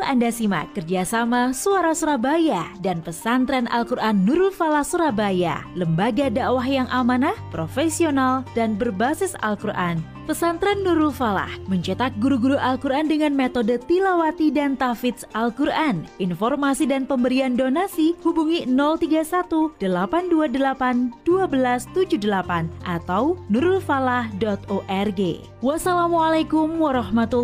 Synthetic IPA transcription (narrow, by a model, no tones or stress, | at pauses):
andasima̰kərd͡ʒasamasuaɾasuɾabajadanpəsant̪ɾɛnʔa̰lkuɾʔanːuɾʊlfalahsuɾabaja̰ləmbaɡadaʔwaɦjaŋʔamanahpɾofesionaldanbərbasɪsa̰lkuɾʔa̰n | pəsant̪ɾɛnːuɾʊlfala̰hməɲt͡ʃət̪ak̚ɡuɾuɡuɾuʔalkuɾʔandəŋanmet̪odət̪ilawat̪idant̪afit̪salkuɾʔanʔinfɔrmasidanpəmbəɾiandonasihubuŋinɔlt̪iɡasat̪ud̥əlapanduadəlapand̥uabəlast̪ud͡ʒudəlapanʔat̪awnuɾʊlfalahdɔt̪oʔɛrɡḛ | wasalamualakumwaɾɑhmat̪u